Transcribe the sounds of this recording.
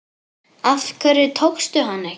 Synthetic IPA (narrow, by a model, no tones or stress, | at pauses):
afkʰvɛɾɪt̪ʰowxst̪ʏɦanːɪ